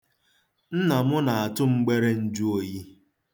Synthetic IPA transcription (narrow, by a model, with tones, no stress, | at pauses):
n̩˦na˨mʊ˦na˨a˨tʊ˦ŋ͡m̩˦ɡ͡be˦ɾe˦n̩˦d͡ʒu˦o˨ji˦